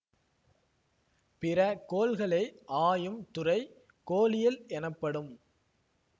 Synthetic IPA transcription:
pɪrɐkoːlɣɐɭɐɪʔaːjɯmt̪ʊrɐɪ | koːlɪjɪlɛnɐpːɐɽɯm

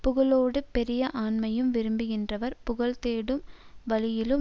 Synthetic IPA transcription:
pʊɣɐɭoːɽɯpɛɾɪjɐʔaːnmɐjɯmʋɪɾɯmbɯɣɪndrɐʋɐɾpʊɣɐɭt̪eːɽɯmʋɐlɪjɪlɯ

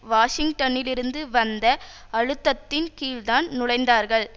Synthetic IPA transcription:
ʋaːʂɪŋɡʈɐnɪlɪɾɯnd̪ɯʋɐnd̪ɐ | ɐɻɯt̪ːɐt̪ːɪnkiːld̪aːnnʊɽɐɪnd̪aːɾɣɐɭ

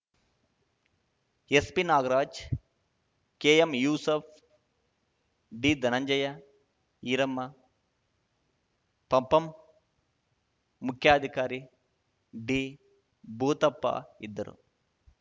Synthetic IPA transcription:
espinaːɡɐɾaːd͡ʒ | keːjemjuːsɐp̚ʰ | ɖiːd̪ʱɐnɐɲd͡ʒɐjɐ | iːɾɐmːɐ | pɐmpɐm | ukʰjaːɐd̪ʱikaːɾi | ɖiː | bʱuːt̪ɐpːɐ̰id̪ːɐɾṵ

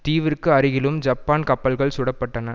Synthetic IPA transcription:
t̪iːʋɪɾkːɯɐɾɪɣɪlɯmd͡ʒɐpːaːnkɐpːɐlɣɐɭsʊɽɐpːɐʈːɐnɐ

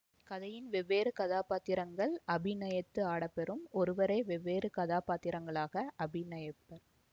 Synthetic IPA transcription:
kɐðɐjɪnʋɛʋːeːɾɯkɐðaːpaːt̪ɪɾɐŋɡɐɭɐbɪnɐjɐt̪ːɯaːɽɐpːɛɾɯmɔɾɯʋɐɾɐɪʋɛʋːeːɾɯkɐðaːpaːt̪ːɪɾɐŋɡɐɭaːɣɐʔɐbɪnɐjɐpːɐɾ

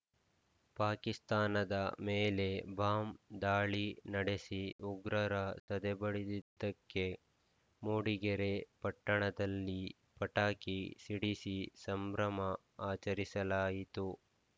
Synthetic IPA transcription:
paːkist̪aːnɐd̪ɐmeːle̞bʱaːmd̪aːɭinɐɽesiuɡɾɐɾɐsɐd̪ebɐɽid̪id̪ːɐkːe̞ | moːɽiɡɛɾepɐʈːɐɳɐd̪ɐlːi | pɐʈaːkisiɽisisɐmbɾɐmɐ | aːt͡ʃɐɾisɐlaːjit̪u

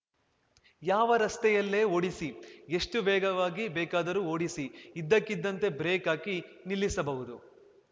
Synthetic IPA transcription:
jaːʋɐɾɐst̪ɛjɐlːe̞ːoːɽisie̞ʂʈuʋɛːɡɐʋaːɡibɛːkaːd̪ɐɾuo̞ːɽisiid̪ːɐkːid̪ːɐnt̪e̞bɾeːkaːkinilːisɐbɐɦud̪u

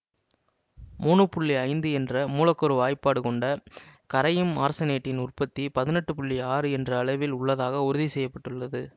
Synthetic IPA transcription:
muːɳɯpʊɭːiɐɪnd̪ɯɛndrɐmuːlɐkːɔɾɯʋaːjpːaːɽɯkɔɳɖɐkɐɾɐjɯmaːɾsɐneːʈːɪnʊrpɐt̪ːipɐðɪnɛʈːɯpʊɭːiaːɾɯɛndrɐːɭɐɪʋɪlʊɭːɐðaːɣɐʊɾʊðisɛjːɐpːɐʈːɯɭːɐðɯ

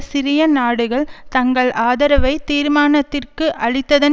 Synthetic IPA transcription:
sɪɾɪjɐnaːɽɯɣɐɭt̪ɐŋɡɐɭʔaːðɐɾɐʋɐɪt̪iːɾmaːnɐt̪ːɪrkɯʔɐɻɪt̪ːɐðɐn

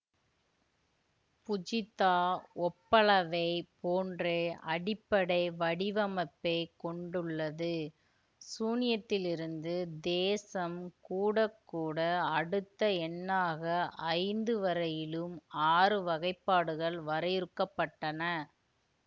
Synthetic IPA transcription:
pʊd͡ʒɪt̪ːaːɔpːɐɭɐʋɐɪpoːndreːɐɽɪpːɐɽɐɪʋɐɽɪʋɐmɐpːɐɪkɔɳɖɯɭːɐðɯ | suːnɪjɐt̪ːɪlɪɾɯnd̪ɯd̪eːsɐmkuːɽɐkːuːɽɐːɽɯt̪ːɐɛnːaːɣɐʔɐɪnd̪ɯʋɐɾɐjɪlɯmaːrɯʋɐɣɐɪpːaːɽɯɣɐɭʋɐɾɐjɪɾɯkːɐpːɐʈːɐnɐ

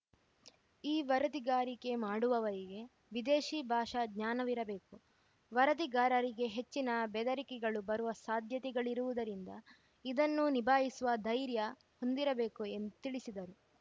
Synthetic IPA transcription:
iːʋɐɾɐd̪iɡaːɾike̞maːɽuʋɐʋɐɾiɡe̞ | ʋid̪eːʃiːbʱaːʂɐɡɲaːnɐʋiɾɐbe̞ːku | ʋɐɾɐd̪iɡaːɾɐɾiɡe̞ɦe̞t͡ʃːinɐbɛd̪ɐɾikɛɡɐɭubɐɾuʋɐsaːd̪ʱjɐt̪ɛɡɐɭiɾuʋud̪ɐɾind̪ɐ | id̪ɐnːunibʱaːɦisuʋɐd̪ʱɐjɾjɐ | ho̞nd̪iɾɐbe̞ːkue̞nd̪ut̪iɭisid̪ɐɾu

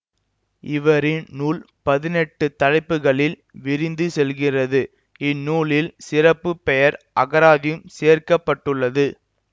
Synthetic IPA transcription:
ɪʋɐɾɪnnuːl | pɐðɪnɛʈːɯt̪ɐɻɐɪpːɯɣɐɭɪl | ʋɪɾɪnd̪ɯsɛlɣɪrɐðɯ | ɪnːuːɭɪlsɪrɐpːɯpːɛjɐɾʔɐɣɐɾaːðɪjɯmseːrkɐpːɐʈːɯɭːɐðɯ

